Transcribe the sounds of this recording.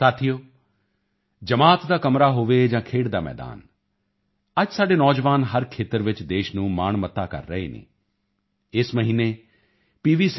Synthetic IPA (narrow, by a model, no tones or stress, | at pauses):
saːt̪ʰijoː | d͡ʒəmaːt̪d̪aːkəmɾaːɦoːʋeːd͡ʒãːkʰeːɽd̪aːmɛ̰ːd̪a̰ːn | əd͡ʒsaːɖeːnɔːd͡ʒʋaːnɦəɾkʰeːt̪əɾʋɪt͡ʃd̪eːʃnũːma̰ːɳmət̪ːaːkə̰ɾːəḛːnḛː | ɪsməɦiːneː | piːʋiːs